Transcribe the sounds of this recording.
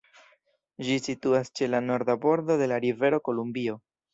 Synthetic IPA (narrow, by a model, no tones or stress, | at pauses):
d͡ʒisituast͡ʃe̞lano̞ɾd̪abo̞ɾdo̞de̞laɾive̞ɾo̞ko̞lumbio̞